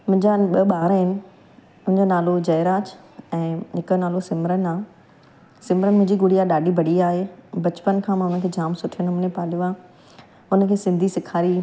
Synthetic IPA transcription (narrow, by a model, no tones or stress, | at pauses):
mʊ̃ɦɪ̃ɲd͡ʑaɓɐɓaːɾɦɪnɪ̆ | ʊ̃ɦɪ̃ɲd͡ʑonaːlod͡ʑɐɦɪɾaːt͡ɕ | ɛ̃ːɦɪkənaːlosɪmɾənaː | sɪmɾəmʊ̃ɦɲd͡ʑiɡʊɽiaɗaːɖibʱɐɽiaːɦebɐt͡ɕpənkʰãːmãʊnəkʰeːd͡ʑaːmsʊʈʰiənmnepaːljuaː | ʊnə̆kʰeːsɪ̃nd̪ʱisɪkʰaːɾi